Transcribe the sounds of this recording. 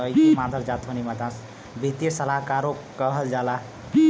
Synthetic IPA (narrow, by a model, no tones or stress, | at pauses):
ʌjmad̪ʱəɾd͡zat̪ʰonimat̪ãs | bʱit̪jesəlakaɾo | kʌɦəld͡zala